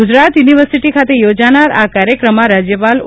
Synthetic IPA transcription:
ud͡ʒɾat̪juniʋəɾsiʈikʰat̪ejod͡ʒanaɾa̰kaɾjəkɾəmãɾad͡ʒjəpal

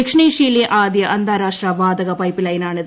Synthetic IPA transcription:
ikʂɳiːʂiːlieʔaːd̪jɐʔɐnd̪ʱaːɾaːʂʈrɐʋaːd̪ɐɣɐpɐjpːilɐjɐnaːɳið

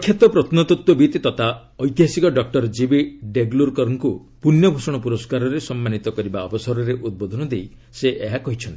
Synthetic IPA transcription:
kʰːjat̪ɔpɾɔt̪nɔt̪ɔt̪wɔbit̪t̪ɔt̪ʰa | ɔjt̪iɦasikɔɖɔk̚ʈɔɾd͡ʒibiɖeɡluɾkɔɾɔŋku | punjɔbʱosɔɽ̃ɔpuɾɔskaɾɔɾesɔmːanit̪ɔkɔɾibaɔbɔsɔɾɔɾeʔud̪̚bod̪ʱɔnɔd̪ejiseʔeɦakɔɦit͡ʃʰɔnt̪i̥

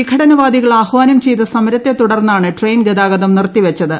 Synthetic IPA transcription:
ikʰːɐɽɐnɐʋaːd̪iɣɐɭaːhʋaːnɐmt͡ɕejt̪ɐsɐmɐɾɐt̪ːe̞t̪uɽɐrnːaːɳɨʈrejnɡɐd̪aːɣɐðɐmnirt̪ːiʋɐt͡ɕːɐðɨ

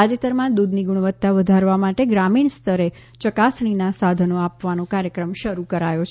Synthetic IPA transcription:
ad͡ʒet̪əɾmãd̪ud̪ʱniɡuɳʋət̪ːaʋəd̪ʱaɾʋamaʈeɡɾamiɳst̪ʰəɾe | t͡ʃəkasɳ̃inasad̪ʱənoapʋanokaɾjəkɾəmʃəɾukəɾajot͡ʃʰ

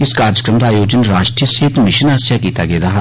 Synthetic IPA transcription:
ɪskaːɾjəkɾəmd̪aːjoːd͡ʒənɾaːʃʈɾijəseːt̪mɪʃənaːsjakiːt̪aɡeːd̪aːɦ

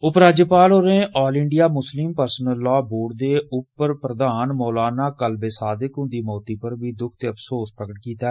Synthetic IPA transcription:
ʊpɾaːd͡ʒeːpaːloːɾeːʔɔːlɪ̃ɳɖijaːmʊslɪmpəɾsnəlːɔːboːɖd̪eːʊpːəɾpɾəd̪aːnmɔːlaːnaːkəlbeːsaːd̪ɪkɦʊ̃nd̪iːmɔːt̪iːpəɾbʱiːd̪ʊkʰt̪eːəpʰsoːspɾəɡəʈ̚kiːt̪aːɛ

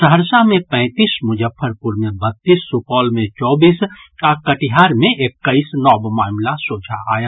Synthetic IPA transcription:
səɦəɾsamẽpɛ̃ɪt̪iːsmʊd͡ʒəpʰːəɾpʊɾmẽbət̪ːiːsːupɔːlmẽt͡ʃɔːbiːsakəʈiɦaːɾmẽʔekːəisnɔːbmaːmlasoːd͡ʒʱa̰a̰ːja

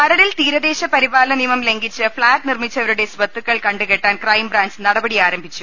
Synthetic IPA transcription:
mɐɾɐɽilt̪iːɾɐd̪eːɕɐpɐɾibaːlɐnimɐmle̞ŋɡit͡ɕːɨfɭaːʈ̚nirmit͡ɕːɐʋɐɾuɽe̞sbɐt̪ːukːɐɭkɐɳɖɨke̞ʈːaːnkrɐjmbraːnsɨnɐɽɐbɐɽiaːɾɐmbʱit͡ɕːu

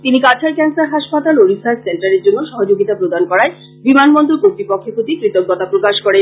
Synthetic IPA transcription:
t̪inikat͡ɕʰaɾkɛnsaɾɦaʃpat̪aloɾisaɾsenʈaɾeɾd͡ʑonːoʃɔɦod͡ʑoɡit̪apɾod̪ankɔɾae | bimanmond̪oɾkoɾt̪ɾipokʰːokot̪ikɾit̪oɡ̚ɡɔt̪apɾokaʃkoɽen

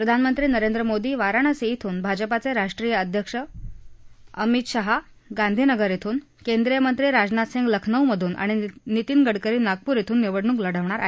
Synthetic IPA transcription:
pɾəd̪ʱanmənt̪ɾiːnəɾend̪ɾəmod̪iːʋaɾaɽ̃əseit̪ʰuːnbʱad͡ʑəpat͡seɾaʂʈɾijəəd̪ʱjəkʂə | əmit̪ɕəɦa | ɡand̪ʱinəɡəɾjit̪ʰuːn | kend̪ɾijəmənt̪ɾiːɾad͡znat̪seŋɡləkʰnəwməd̪ʱuːnʔa̰ɽ̃init̪iːnɡəɽkəɾiːnaɡ̚puːɾjit̪ʰuːnːiʋəɽɳũːŋkləɽəʋɳ̃aɾʔaɦe

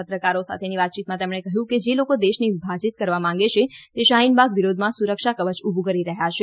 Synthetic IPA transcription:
ət̪ɾəkaɾosa̰t̪ʰeniʋat̪̚t͡ʃit̪̚mãt̪emɳekəɦjũked͡ʒelokod̪eʃnibʱad͡ʒit̪̚kəɾʋamãŋɡet͡ʃʰet̪eʃaɦinbʱaɡʋiɾod̪ʱmãsuɾəkʃakəʋət͡ʃubʱukəɾiɾəɦjat͡ʃʰe

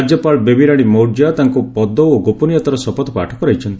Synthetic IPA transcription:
d͡ʒjɔpalbebiɾaɽ̃imowɾd͡ʒat̪aŋkupɔd̪ɔoɡopɔnijat̪ɔɾɔsɔpɔt̪ɔpaʈʰɔkɔɾajt͡ʃʰɔnt̪i

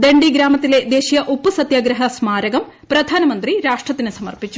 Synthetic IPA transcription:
d̪eɳɖiɡɾaːmɐt̪ːile̞d̪eːɕijɐʔupːusɐt̪jaːɡɾɐɦɐsmaːɾɐɡɐm | pɾɐd̪ʱaːnɐmɐnd̪ɾiɾaːʂʈrɐt̪ːinɨsɐmɐ̰rpit͡ɕːu

